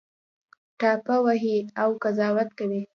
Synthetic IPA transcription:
ʈɑpawaɦiawkazɑwat̪kawi

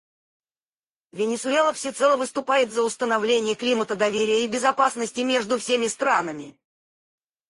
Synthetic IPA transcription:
vʲɪnʲɪsʊelˠəfsʲɪt̪sɛlˠəvɨst̪ʊpajɪt̪zəʊst̪ənɐvlʲenʲɪjəklʲimət̪əd̪ɐvʲeɾʲɪjəibʲɪzɐpasnəsʲtʲɪmʲe̞ʐd̪ʊfsʲemʲɪst̪ɾanəmʲɪ

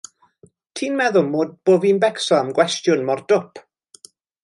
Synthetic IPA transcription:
tʰiːnmɛðʊmoːd̚b̥oːvinbɛksɔamɡwɛstjʊnmɔrd̥ʊpʰ

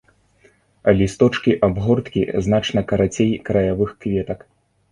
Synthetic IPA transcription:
ɐlʲist̪ɔt͡ʂkʲiʔabɣɔrt̪kʲḭznat͡ʂnɐkɐɾat͡sʲejkɾɐjavɨxkvʲɛt̪ɐk

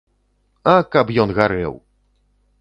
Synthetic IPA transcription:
ɐkapjɔnɣaɾɛ̰w

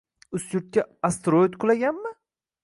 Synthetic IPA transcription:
ʊsjʊɾt̪̚kʲaast̪ɾojt̪qʰʊlˠaɡʲanmɪ

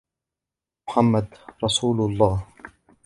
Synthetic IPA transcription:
mʊħamːad̪ɾˤɑsuːlʊlˤːɑːh

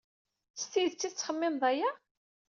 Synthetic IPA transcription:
sθiðt͡sːit͡sːχəmːɪnðˤæjæ

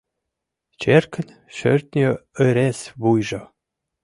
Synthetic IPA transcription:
t͡ɕerkɘ̆nʲ | ʃø̰rʲt̪ʲnʲeɘ̆ɾesβujʒɤ̆

